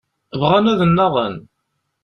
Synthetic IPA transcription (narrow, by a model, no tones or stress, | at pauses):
vʁanæðənːɑðˤən